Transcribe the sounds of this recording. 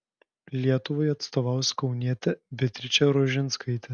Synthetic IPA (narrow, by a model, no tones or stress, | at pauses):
lʲiɛt̪ʊʋɔjɐt̪st̪ɔʋɑˑʊsʲkɔʊnʲiɛt̪ʲɛbʲɪt̪ʲɾʲɪt͡ʃʲɛɾɔʒʲɪnskɐɪt̪ʲɛ